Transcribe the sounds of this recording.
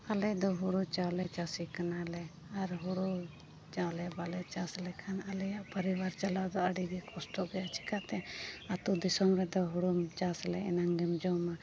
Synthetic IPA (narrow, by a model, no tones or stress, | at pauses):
alɛd̪ɔɦuɽut͡ʃalɛt͡ʃasikanalɛ | aɾɦuɽu | t͡ʃawlɛbalɛt͡ʃaslɛkʰanalɛjaʔpəɾibaɾt͡ʃalad̪ɔəɽiɡɛkʰɔsʈɔɡɛjat͡ʃi̥kat̪ɛat̪ud̪isɔmɾɛd̪ɔɦuɽumt͡ʃaslɛɛ̰naŋɡɛmd͡ʒɔma